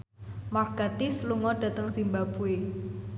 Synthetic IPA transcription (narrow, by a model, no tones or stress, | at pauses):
maɡ̥at̪isluŋɔɖ̥ä̤t̪əŋsimbabue